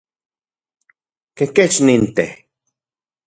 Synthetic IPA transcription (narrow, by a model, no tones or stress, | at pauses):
keket͡ʃnint̪eh